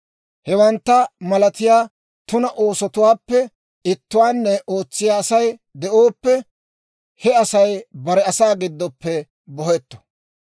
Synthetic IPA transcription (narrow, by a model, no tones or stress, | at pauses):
hɛwɐnt̪ːɐmɐlɐt̪ɪjaː | t̪ʊnɐʔo̞ːsɔt̪ʊwaːpːɛ | ɪt̪ːʊwaːnːɛʔo̞ːt͡sːɪjaːsɐjd̪ɛʔo̞ːpːɛ | hɛɐsɐjbɐɾɛɐsaːɡɪd̪ːɔpːɛ | bɔhɛt̪ːɔ̥